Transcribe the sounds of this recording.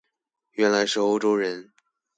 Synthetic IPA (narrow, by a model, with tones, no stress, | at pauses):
ɥɛ˧˥nla˧˥ɪʂ̩˧˥o˥˧ʊʈ͡ʂo˥ʊɻə˧˥n